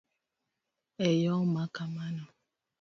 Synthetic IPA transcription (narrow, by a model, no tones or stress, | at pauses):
ejɔmakamanɔ